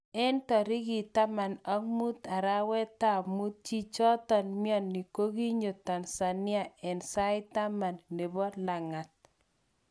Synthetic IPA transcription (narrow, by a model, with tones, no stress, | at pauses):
ɛ˦ntɔ˨ɾi˦ɡi˨ta˦ma˨na˦ŋmu˦t̪a˨ɾa˦wɛ˦t̪a˦˨mu˦t̚t͡ʃi˦t͡ʃɔ˦t̪ɔ˨nmjɔ˦˨nːi˨ko˦ɡi˦ɲo˨ta˨nsa˨nɪ˦a˦ɛ˨nsa˦jta˦ma˨nːe˨bɔ˦la˨ŋa˨t̪̚